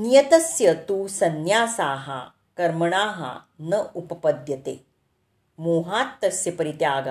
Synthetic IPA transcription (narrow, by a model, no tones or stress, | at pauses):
nijɐt̪ɐsjɐt̪uːsɐnjaːsaːɦa̰ | kɐɾmɐɳ̃aːɦa̰nɐʔupɐpɐd̪ʱjɐt̪ḛː | moːɦaːt̪ːɐsjɐpɐɾit̪jaːɡɐ